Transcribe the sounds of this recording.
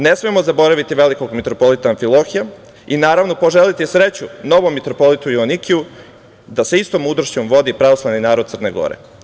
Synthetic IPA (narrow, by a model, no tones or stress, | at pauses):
ne̞smiemo̞zabo̞ɾaʋit̪iʋe̞liko̞ɡmit̪ɾo̞po̞lit̪aːɱfilˠo̞xija | inaːɾaʋno̞po̞ʒe̞lit̪isɾe̞t͡ɕuno̞ʋomːit̪ɾopo̞lit̪ujuonikʰiu | d̪aseist̪omud̪ɾoʃt͡ɕomʋo̞d̪ipɾaʋo̞slˠaʋninaːɾod̪t̪sərne̞̰ɡo̞̰ɾḛ